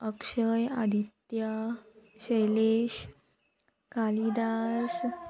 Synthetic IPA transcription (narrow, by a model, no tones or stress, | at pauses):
əkʂəja̰d̪ʱit̪jaɕəjleɕ | kalid̪as